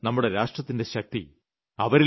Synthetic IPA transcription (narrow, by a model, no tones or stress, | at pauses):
nɐmːuɽe̞ɾaːʂʈrɐt̪ːinde̞ɕɐk̚t̪ḭ | ɐʋɐɾi